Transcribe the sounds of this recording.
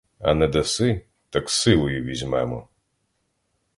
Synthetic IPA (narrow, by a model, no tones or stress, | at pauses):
ɐ̰nɛd̪ɐsɪ | t̪ɐksɪlˠɔjʊʋʲizʲmɛmɔ̰